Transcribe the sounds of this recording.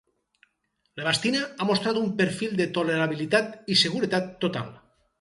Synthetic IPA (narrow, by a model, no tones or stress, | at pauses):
leβast̪inaamost̪ɾat̪umpeɾfilˠd̪et̪oleɾaβ̞ilit̪at̪iseɣ̞uɾet̪at̪ːot̪a̰l